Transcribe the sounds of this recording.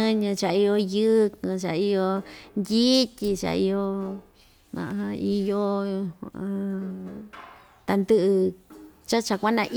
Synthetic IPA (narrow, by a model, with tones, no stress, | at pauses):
ɨ̃˦ɲɨ̃˧t͡ʃa˧i˧jo˧jɨ˦kɨ̃˧t͡ʃa˨i˦˧jo˧nd̪ʲi˦tʲi˧t͡ʃa̰˨˧i˧jo˧ | mã̰˨ʔi˧jo˦˧ | ã˧ | t̪a˧nd̪ɨ˦ʔɨ˧t͡ʃa˦t͡ʃa˧kʷa˦nã˧ʔ